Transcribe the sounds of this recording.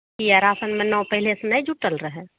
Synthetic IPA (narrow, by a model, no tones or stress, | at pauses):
iaɾasənmenɔwpəɦilesenəjd͡ʒuʈəlɾəɦɛ